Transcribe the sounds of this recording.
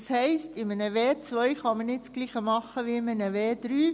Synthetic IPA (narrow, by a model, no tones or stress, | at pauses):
shɛɪstɪmənəʋeːt͡sʋœʏχɑmənɪt͡sɡ̥liːχəmɑχəʋiɪmənəʋeːd̥ɾyː